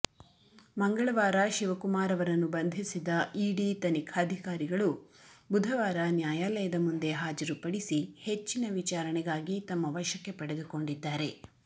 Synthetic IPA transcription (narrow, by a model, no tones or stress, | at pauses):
mɐŋɡɐɭɐʋaːɾɐʃiʋɐkumaːɾɐʋɐɾɐnːubɐnd̪ʱisid̪ɐiːɽit̪ɐnikʰaːd̪ʱikaːɾiɡɐɭubud̪ʱɐʋaːɾɐnjaːjaːlɐjɐd̪ɐmund̪e̞ɦaːd͡ʒɐɾupɐɽisihe̞t͡ʃːinɐʋit͡ʃaːɾɐɳɛɡaːɡit̪ɐmːɐʋɐʃɐkːe̞pɐɽe̞d̪uko̞ɳɖid̪ːaːɾe̞